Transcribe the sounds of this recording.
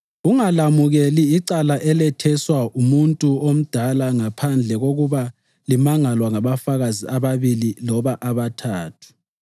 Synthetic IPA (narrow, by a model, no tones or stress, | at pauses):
uŋalamuɣeliːǀalaʔɛlɛtʰɛswaʔumuntʼuom̩d̥ʱalaŋapʰand͡ɮʱɛɣoɣuβa | limaŋalwaŋaβafaɣaziaβaβililɔβaʔaβatʰaːtʰu̥